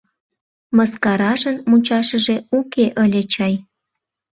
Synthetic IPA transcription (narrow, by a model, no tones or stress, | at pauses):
məskɑɾɑʒənmut͡ɕɑʃəʒeukeʔəlʲet͡ɕɑj